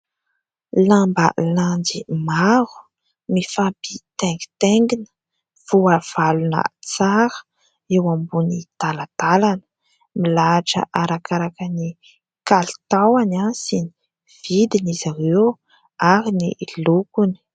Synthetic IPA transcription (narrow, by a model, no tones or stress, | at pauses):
lambə̰land͡zimaɾu̥ | mifabit̪eŋɡi̥t̪eŋɡinə̥ | v̥uav̥alunə̰t͡saɾə̥ | ewambunit̪alat̪alanə̥ | milaʈ͡ʂə̰ʔaɾakaɾakəni | kalt̪awanasini | v̥id̪inizaɾew | aɾinilukuni̥